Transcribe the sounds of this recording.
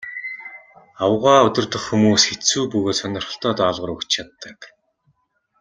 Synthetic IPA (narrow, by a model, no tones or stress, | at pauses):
awʁaːʊt̪ʲɪ̆rt̪ə̆χxumuːsxesuːpuɣoːt̪sœnʲɪ̆rχɞ̆ɬt̪ɔːt̪ɔːɮʁə̆ɾɵkt͡ɕt͡ɕʰat̪ːə̥̆k